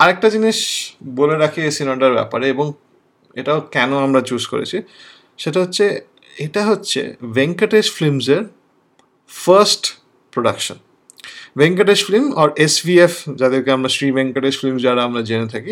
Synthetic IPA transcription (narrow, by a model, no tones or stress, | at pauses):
aɾek̚ʈad͡ʑiniʃboleɾakʰiesinɔɖaɾbɛ̰paɾeeboŋ | eʈaokɛnoamɾat͡ɕuzko̰ɾḛt͡ɕʰi | ʃeʈaɦotːʰe | eʈaɦotːɕʰḛbeŋkaʈeʃflimzeɾ | fɐɾsʈ | pɾoɖa̰kʃo̰n | beŋkaʈeʃflimɔɾesbiefd͡ʑad̪eɾkeamɾasɾibeŋkaʈeʃflimd͡ʑaɾaamɾad͡ʑenet̪ʰaki